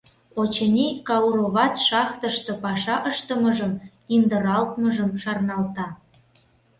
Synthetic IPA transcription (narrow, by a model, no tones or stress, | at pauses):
ot͡ɕənʲikɑuɾoβɑt̪ʃɑxt̪əʃt̪ŏpɑʃɑʔəʃt̪əməʒəm | ind̪əɾɑlt̪̚məʒəmʃɑrnɑlt̪ɑ